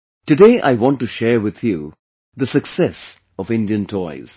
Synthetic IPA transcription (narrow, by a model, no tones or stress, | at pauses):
ʈɨɖeːʔa̰ɪwɔ̃nʈːuʃɛːɹwɪd̪ju | d̪əsɨksɛs | ɔvɪ̃ndiə̃ntʰɔɪz̥